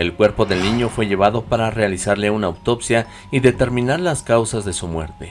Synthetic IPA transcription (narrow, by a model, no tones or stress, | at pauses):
e̞lkwe̞ɾpo̞ðe̞lnĩɲo̞fwe̞ʝe̞β̞aðo̞paɾare̞alisaɾle̞unauwt̪o̞psja | iðe̞t̪e̞ɾmĩnaɾlaskawsazðe̞sumwe̞̰ɾt̪e̞